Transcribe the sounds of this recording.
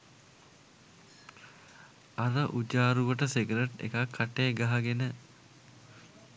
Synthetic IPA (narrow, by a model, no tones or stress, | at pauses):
aɾəʔud͡ʒaːɾuʋəʈəseɡɾeʈḛkakʰːaʈeːɡaɦaɡenə